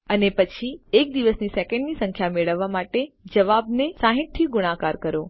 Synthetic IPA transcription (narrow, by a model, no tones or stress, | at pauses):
ənepət͡ʃʰiek̚d̪iʋəsnisɛkɛ̃ɳɖnisə̃ŋkʰjameɭəʋːamaʈed͡ʒəʋabnesaɦɪ̃ʈ̪̚t̪ʰiɡʊɽ̃akaɾkəɾo